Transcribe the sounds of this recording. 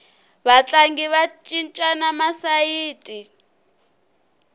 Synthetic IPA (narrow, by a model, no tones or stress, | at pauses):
βat͡ɬʼaŋɡiβat͡ʃʼint͡ʃʼanamasaiːtʼi